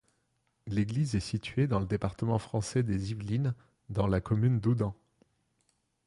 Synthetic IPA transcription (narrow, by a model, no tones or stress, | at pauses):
leɡlizɛsit̪ɥed̪ɑ̃ləd̪epaʁt̪əmɑ̃fχɑ̃sɛd̪ezivlin | d̪ɑ̃lakɔmynd̪ud̪ɑ̃